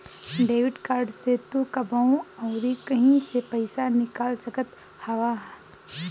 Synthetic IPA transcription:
ɖeːʋɪɖkaːɾɖset̪ukɐbaũɔːɾikɐɦĩsepɐɪsanɪkaːlsəkət̪ | hɐʋaɦ

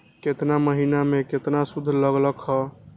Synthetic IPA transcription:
ket̪naməɦinameket̪nasud̪ʱːləɡləkhɔ

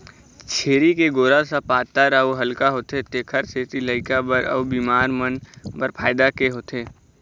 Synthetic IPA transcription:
t͡ʃʰeːɾikeɡoːɾasapaːt̪əɾəoɦɐlkaɦoːt̪et̪eːkʰəɾset̪iləɪkabəɾə̰ʋbiːmaːɾmənbəɾpʰaːɪd̪akeɦoːt̪ʰeː

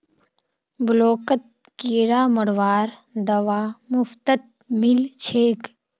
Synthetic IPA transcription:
bʊloːkət̪̚ | kiːɾaːməɽʋaːɾd̪ɐʋaːmʊft̪ət̪̚ | mɪlt͡ʃʰeːk

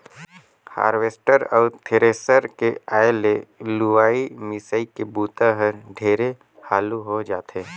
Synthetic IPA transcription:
ha̰ːɾʋeːsʈəɾɔːɾt̪ʰeɾeːsəɾkeaːjeleluaːimɪsaikebuːt̪aɦəɾɖʱeːɾe | haːluɦod͡ʒaːt̪eː

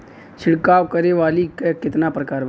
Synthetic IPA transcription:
t͡ʃʰɪɽkaːwkəɾeʋaːliekɪt̪napɾəkaːɾʋ

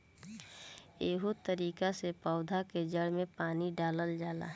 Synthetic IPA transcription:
eːɦot̪əɾiːkasepɔʊd̪ʱaked͡ʒəɽmẽpaːniɖaːləld͡ʒaːla̰ː

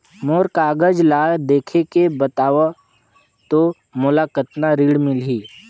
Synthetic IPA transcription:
moːɾkaːɡəd͡ʒlaːjd̪eːkʰekebət̪aːʋa | t̪o | mʊlakət̪naɾiːɽmɪlɦiː

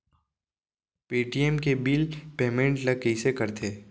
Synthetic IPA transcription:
piːʈiɛmkebiːlpeːmẽɳʈlɐɡ̚kəɪsekɐɾt̪ʰeː

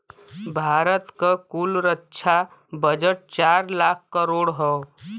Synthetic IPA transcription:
bʱaːɾət̪kakulɾətːʃʰa | bəd͡ʒəʈ̚t͡ʃaːɾlaːkʰkəɾoːɽɦɔ

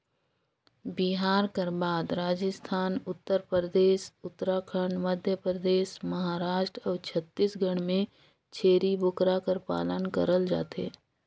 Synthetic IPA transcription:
biɦaːɾkəɾbaːd̪ɾaːd͡ʒəst̪ʰaːnʊt̪ːəɾpɾəd̪eːʃʊt̪ːɾakʰəɳɖməd̪ʱjəpɾəd̪eːʃməɦaːɾaːʃʈɾɔːt͡ʃʰət̪ːisɡʱəɽ̃mẽ | t͡ʃʰeːɾibʊkɾakəɾpa̰ːlənkə̰ɾəld͡ʒa̰ːt̪ḛː

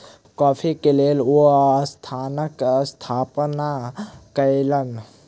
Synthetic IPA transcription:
kɔːpʰikelelost̪ʰaːnəkst̪ʰaːpnakəjlən

